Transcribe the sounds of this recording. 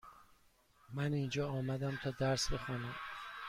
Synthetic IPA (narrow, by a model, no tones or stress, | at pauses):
mænind͡ʒɒːɒːmæd̪æmt̪ʰɒːd̪æɾsbe̞xɒːnæm